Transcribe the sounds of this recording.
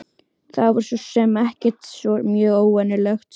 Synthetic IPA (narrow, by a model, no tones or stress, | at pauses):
θaðvɔɾ̥sɔsɛmɛhcɪ̥t̪sɔmjœːɣoːwvɛnɪlɛxt̪